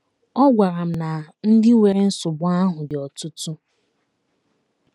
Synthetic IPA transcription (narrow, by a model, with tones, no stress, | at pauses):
ɔ˦ɡʷa˨ɾa˨m̩˦˨na˨n̩˦dɪ˦we˨ɾe˦n̩˦sʊ˨bʊ˦a˦ɦʊ˨dɪ˨ɔ˨tʊ˦tu˦